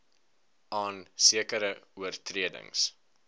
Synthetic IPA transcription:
ʔɑːnsiəkəɾəuərtriədə̰ŋs

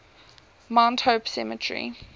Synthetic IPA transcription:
mãʊ̃nthoʊpsɛmətʰɹḭ

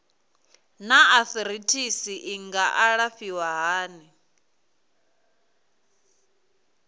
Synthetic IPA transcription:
naaθɾitʰisiʔiŋɡaʔaɺafiwaɦaːni

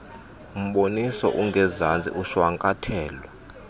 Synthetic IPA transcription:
um̩ɓonisɔ̰ʔuŋɡʱɛzand͡zʱʼḭʔuʃwaŋkʼatʰɛːlwa

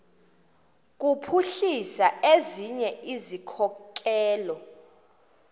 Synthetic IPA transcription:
k̬ʼupʰuɬisaeziɲɛʔizikʰɔkk̬ʼɛːlɔ

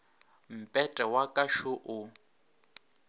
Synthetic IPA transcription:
m̩pʼɛtʼɛwakʼaʃʊʔʊ

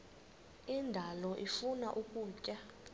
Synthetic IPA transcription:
indʱalɔʔifunaʔukʼuːcʼa

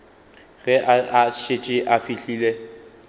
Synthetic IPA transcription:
ɣɛʔaaʃet͡ʃʼɪʔafiɬiːle

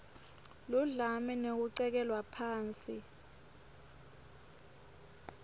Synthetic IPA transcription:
luɮamɛnek̬uǀɛk̬ɛlwapʰaːnt͡sʼi

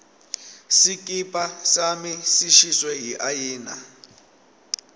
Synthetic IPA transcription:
sik̬ʼipʼasamisiʃiswɛɦiʔajiːna̰

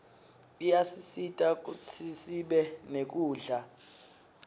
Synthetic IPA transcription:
ijasisitʼak̬ʼut͡sʰisiɓɛnek̬uːɮa

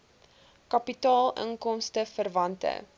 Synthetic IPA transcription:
kɐpitɑːlˠə̰ŋkɔmstəfərvɐntə̰

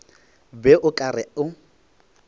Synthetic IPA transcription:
bɛʔʊkʼarɪʊ

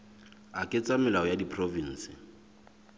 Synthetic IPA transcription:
akʼɪt͡sʼamɪlaɔjadipʰʼrovin̩ːsɪ

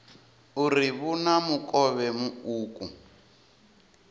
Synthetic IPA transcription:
uriβunamukʼɔβɛmuuːkʼu

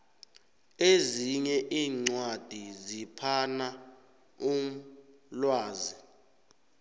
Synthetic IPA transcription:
eziɲɛʔiːŋ͡ǀwad̥ʱizipʰana | um̩lwaːzi

